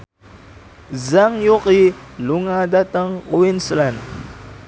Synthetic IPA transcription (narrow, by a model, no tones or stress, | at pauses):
zaŋjuqiluŋadat̪əŋkuwinslan